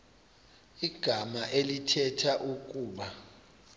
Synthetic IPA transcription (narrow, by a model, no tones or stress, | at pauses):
iɡ̥ʱamaʔelitʰɛtʰaʔuk̬ʼuːɓa